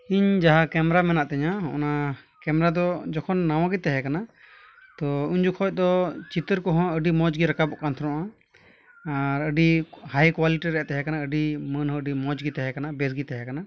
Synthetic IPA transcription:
iɲd͡ʒaɦakɛmɛɾamɛnaʔt̪ɛɲaɔ̰nakɛmɛɾad̪ɔd͡ʒɔkʰɔnːawãɡit̪ɛɦɛkana | t̪ɔuɲd͡ʒukʰɔc̚d̪ɔt͡ʃit̪əɾkɔɦɔ̃əɖimɔd͡ʒɡiɾakabɔʔkant̪ʰɔɾɔʔa | aɾəɖihajkwaliʈiɾɛɛt̪ɛɦɛkanaəɖimənɦɔ̃əɖimɔd͡ʒɡit̪ɛɦɛkanabɛsɡit̪ɛɦɛkana

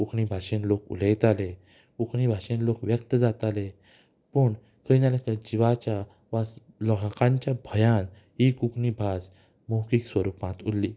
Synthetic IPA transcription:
kukʰnibʱaʂenlokṵlejt̪ale | kukɳibʱaʂenlokʋjək̚t̪əd͡zat̪ale | pəɳ | kʰəinalekəd͡ʑiʋat͡ɕja | ʋas | lɔɦãkãɲt͡ɕjabʱəjãn | ɦikukʰnibʱad͡z | mowkiːksʋəɾupãt̪ulːiː

